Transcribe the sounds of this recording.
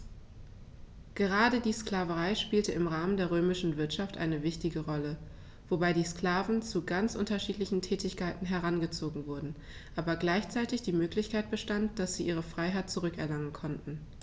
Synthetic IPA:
ɡ̥əʁ̞aːdədiːskl̥aːvəʁaɪʃpiːltəɪmʁaːməndeːɐʁøːmɪʃn̩vɪɐtʃaftʔa̰ɪnəvɪçtɪɡəʁɔlə | v̥obaɪdiːskl̥aːvn̩t͡suɡant͡sʔʊ̰ntɐʃiːtlɪçn̩tʰɛːtɪçkʰaɪtn̩ɦɛɐʁanɡət͡soːɡŋ̩vʊɐdn̩ | ʔaːbɐɡlaɪçt͡saɪtɪçd̥iːmøːklɪçkʰaɪt̚b̥əʃtantd̥asz̥iːʔiːʁəfʁ̥aɪɦaɪt̚t͡suʁʏkɛɐlaŋənkʰɔntn̩

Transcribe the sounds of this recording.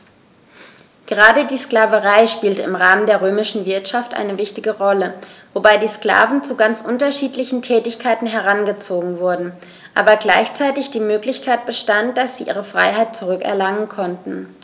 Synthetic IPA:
ɡ̥əʁaːdədiːsklaːvəʁaɪʃpiːltəɪmʁaːməndeːɐʁ̞øːmɪʃn̩vɪɐtʃaftʔa̰ɪnəvɪçtɪɡəʁɔləvobaɪdiːskl̥a̰ːvn̩t͡suɡant͡sʔʊntɐʃiːtlɪçn̩tʰɛːtɪçkʰaɪtn̩ɦɛɐʁ̞anɡət͡soːɡŋ̩vʊɐdn̩ | ʔaːbɐɡlaɪçt͡saɪtɪçd̥iːmøːklɪçkʰaɪt̚b̥əʃtant̚d̥asz̥iːʔḭːʁ̞əfʁ̥a̰ɪɦaɪt̚t͡suʁʏkɛ̰ɐlaŋənkʰɔntn̩

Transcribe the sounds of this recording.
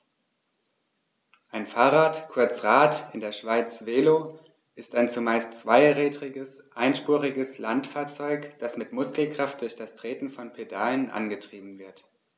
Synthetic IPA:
ʔaɪnfaːʁaːtkʰʊɐt͡sʁaːtɪndeːɐʃv̥aɪt͡sv̥eːlo | ʔɪstaɪnt͡sumaɪstt͡sv̥aɪʁɛːdʁɪɡəsʔaɪnʃpuːʁɪɡəslantfaːɐt͡sɔʏkd̥asmɪtmʊskl̩kʁ̥aft̚d̥ʊɐçd̥astʁ̥eːtn̩fɔnpʰedaːlənʔa̰nɡətʁ̥iːbm̩vɪɐt

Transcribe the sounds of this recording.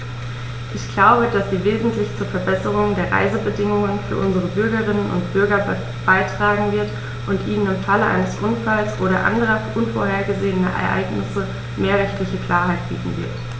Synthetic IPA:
ʔɪçɡ̥laʊbəd̥asz̥iːveːzn̩tlɪçt͡suːɐfɛɐbɛsəʁ̞ʊŋdeːɐʁa̰ɪzəbədɪŋʊŋənfyːɐʔʊnzəʁəbʏɐɡəʁɪnənʊ̰ntb̥ʏɐɡɐ | b̥aɪtʁ̥aːɡŋ̩vɪɐt | ʔʊntʔiːnənɪmfaləʔa̰ɪnəsʔʊntfalsʔoːɾɐʔa̰ndəʁ̞ɐʔʊnfoːɐɦeːɐɡəzeːənɐ̰ʔɛɛ̰ɐʔa̰ɪɡnɪsə | meːɐʁɛçtlɪçəkl̥aːɐɦaɪt̚b̥ḭːtn̩vɪ̰ɐt

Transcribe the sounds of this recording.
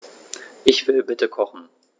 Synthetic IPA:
ʔɪçv̥ɪlbɪtəkʰɔχn̩

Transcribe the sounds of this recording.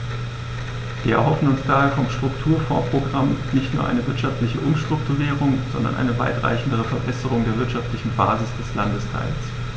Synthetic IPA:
v̥iːɐʔɛɐɦɔfn̩ʊnsd̥aːheːɐfɔmʃtʁ̥ʊktʰuːɐfo̰ɐpʁ̥oɡʁamnɪçtnuːɐʔa̰ɪnəvɪɐtʃaftlɪçəʔʊmʃtʁ̥ʊk̚tʰuʁiːʁ̞ʊŋz̥ɔ̰ndɐ̰nʔa̰ɪnəva̰ɪtʁ̥a̰ɪçn̩dəʁ̞əfɛɐbɛsəʁ̞ʊŋdeːɐvɪɐtʃaftlɪçn̩ba̰ːzɪsd̥ɛslandəstʰa̰ɪls

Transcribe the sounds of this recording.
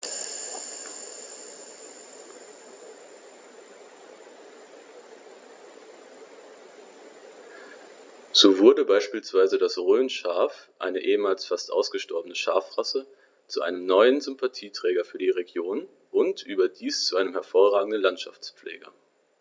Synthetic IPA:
z̥oːvʊɐdəbaɪʃpiːlsv̥aɪzədasʁøːnʃaːfʔa̰ɪnəʔeːəmaːlsfastʔa̰ʊsɡ̥əʃtɔɐbənəʃaːfʁ̥asə | t͡suʔa̰ɪnəmnɔʏənzʏmpatʰiːtʁ̥ɛːɡɐfyːɐdiʁeɡjoːn | ʔʊntʔyːbɐdiːst͡suʔaɪnəmhɛɐfoːʁaːɡŋ̩dən̩lantʃa̰ft͡spp͡flʔḛːɡɐ̰

